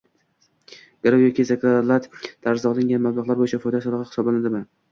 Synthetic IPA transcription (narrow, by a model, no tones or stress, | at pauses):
ɡ̥aɾawjɒkʲizakʰalat̪d̪̥aɾzɒlˠɪŋɡʲanmablˠaʁlˠaɾbojɪt͡ʃʰafɒjd̪asɒlˠɒʁɑhɪ̥sɒblanad̪ɪmɪ